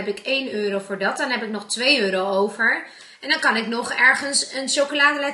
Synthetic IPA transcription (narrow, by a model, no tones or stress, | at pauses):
ɛpɪkejnøːɾowfʊːɹdɑt̚dɑnɦɛpɪk̚nɔχtʋejøːɾowowvəɹ | ʔɛndɑnkɑnɪknɔχɛɹχənsənʃowkəlaːdəlɛ